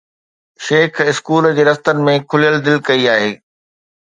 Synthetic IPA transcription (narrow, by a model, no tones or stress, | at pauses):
ʃeːkʰɪskuːld͡ʑeːd̪ɐft̪ənmẽkʰʊlijəld̪ɪlkɐiaːɦeː